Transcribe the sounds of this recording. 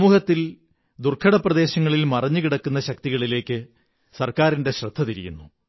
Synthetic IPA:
ɐmuːhɐt̪ːil | d̪urkʰɐɽɐprɐd̪e̞ːɕɐŋːɐɭilmɐrɐɲːukiɽɐkːunːɐɕɐk̚t̪iɣɐɭile̞ːkːɨ | sɐrkaːɾinde̞ɕrɐd̪ʱːɐt̪iɾijṵnːu

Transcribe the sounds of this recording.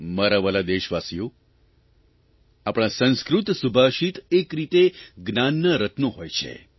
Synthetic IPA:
məɾaʋəlad̪eʃʋasijo | apɽ̃ãsə̃nskɾut̪subʱaʃit̪ekɾit̪eɡnanːəɾət̪noɦojt͡ʃʰḛ

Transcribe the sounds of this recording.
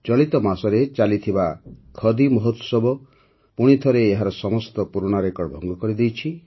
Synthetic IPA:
t͡ʃɔɭit̪ɔmasɔɾet͡ʃalit̪ʰibakʰɔd̪imɔɦɔt̪wɔ̥sɔbɔ | puɽ̃it̪ʰɔɾeːɦaɾɔsɔmɔst̪ɔpuɾuɽ̃aɾekɔɽbʱɔŋɡɔkɔɾid̪ejt͡ʃʰi

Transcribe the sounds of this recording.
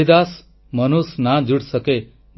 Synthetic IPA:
id̪as | mənusnad͡ʒuɽsəke

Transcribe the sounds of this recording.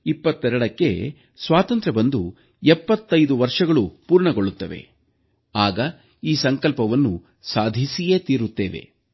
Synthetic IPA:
ipːɐt̪ːɛɾɐɽɐkːe̞̰ | sʋaːt̪ɐnt̪ɾɐbɐnd̪u | ɛpːɐt̪ːɐjd̪uʋɐɾʂɐɡɐɭupuːɾɳɐɡoɭːut̪ːɐʋe̞̰ | aːɡɐ | iːsɐŋkɐlpɐʋɐnːu | saːd̪ʱisije̞ːt̪iːɾut̪ːeːʋe̞̰

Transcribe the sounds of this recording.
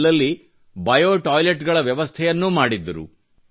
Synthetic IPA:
lɐlːi | bɐjoːʈaːjleʈɡɐɭɐʋjɐʋɐst̪ʰɛjɐnːumaːɽid̪ːɐɾṵ

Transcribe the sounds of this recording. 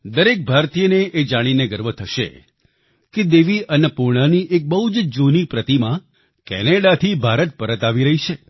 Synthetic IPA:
d̪əɾek̚bʱaɾt̪ijəneʔed͡ʒaɽ̃ineɡəɾʋət̪ʰəʃḛ | ked̪eʋiʔənəpuɾɳ̃aniʔek̚bəɦud͡ʒd͡ʒonipɾət̪imã | kɛ̰neɽat̪ʰibʱaɾət̪̚pəɾət̪aʋiɾəɦit͡ʃʰe

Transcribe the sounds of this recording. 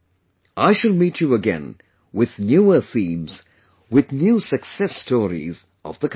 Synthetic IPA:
ʔaɪʃɨlˠmit͡ʃɨəɡɛ̰̃n | wɪðnjuə˞θĩmz̥ | wɪðnjuːsɨksɛstʰɔɹḭz | ʔʌ̰vðəkʰ

